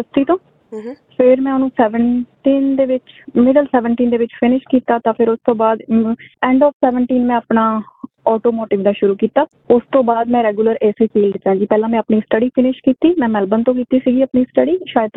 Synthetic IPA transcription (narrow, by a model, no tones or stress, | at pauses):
səst̪iːt̪õː | pʰɪɾmɛ̃ːʊnũːsɛːʋəɳʈiːnd̪eːʋɪt͡ʃmɪɖəlsɛːʋəɳʈiːnd̪eːʋɪt͡ʃpʰɪnɪʃkiːt̪aːt̪ãːpʰɪɾʊst̪õːbaːd̪ɛ̃ːɳɖɔːpʰsɛːʋəɳʈiːnmɛ̃ːəpnaː | ɔːʈoːmoːʈɪːʋd̪aːʃʊɾuːkiːt̪aː | ʊst̪õːbaːd̪mɛ̃ːɾɛːɡjuːləɾeːsiːpiːlɖ̪ɪt̪ːãːd͡ʒiːpɛːlãːmɛ̃ːəpniːsʈəɖiːpʰɪnɪʃkiːt̪iːmɛ̃ːmɛlbənt̪õːkiːt̪iːsiːɡiːəpniːsʈəɖiːʃaːjəd̪̚t̪